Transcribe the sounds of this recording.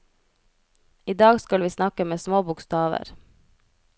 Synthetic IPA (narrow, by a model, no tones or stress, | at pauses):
iːd̪ɑːɡskɑlʋiːsnɑkəmeːsmoːbʊkst̪ɑːʋə̰ɾ